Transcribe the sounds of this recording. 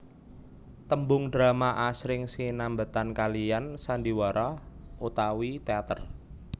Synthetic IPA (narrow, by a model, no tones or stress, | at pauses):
t̪əmbʊŋdɾamaʔasɾɪŋsinambət̪ankalijansand̪iwaɾɔʔut̪awit̪eat̪ər